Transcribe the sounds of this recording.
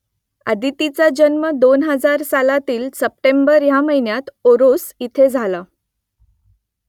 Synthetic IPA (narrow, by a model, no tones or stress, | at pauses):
a̰d̪it̪it͡sad͡ʑənməd̪onɦəd͡zaɾsalat̪iːlsəp̚ʈembəɾjaməɦinjat̪oɾosit̪ʰed͡zʱala